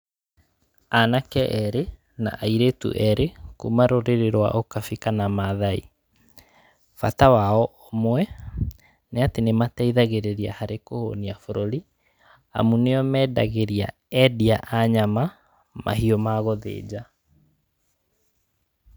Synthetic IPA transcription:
anakɛʔɛɾe | na̰ʔaiɾetṵʔɛɾekumaɾoɾeɾeɾwa̰ʔokafikanamaðaḭ | fa̰tawaɔomwɛ | neatenematɛiðaɣeɾeɾia̰haɾekoho̰niafoɾoɾi | a̰muneɔmɛːda̰ɣeɾia̰ | ɛdiaʔaɲama | mʔa̰ɦiɔmaɣɔðḛːd͡ʑa

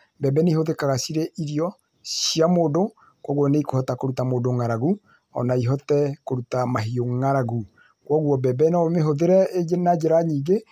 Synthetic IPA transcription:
bɛbɛneihoðekaɣasiɾeʔiɾiɔ | siamoːdo | kwɔɣwɔneikohɔtakoɾutamoːdoŋaɾaɣu | ɔ̰naiɦɔtɛkoɾutamaɦioŋaɾaɣu | kwɔɣwɔbɛbɛnaomeɦoðeɾɛenad͡ʒeɾaɲiːɡe

